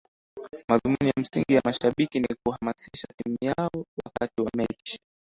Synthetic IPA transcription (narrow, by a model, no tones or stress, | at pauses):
maðumunijam̩siŋɡijamaʃaɓikinikuhamasiʃatimujaɔwa̰katiwamɛt͡ʃi̥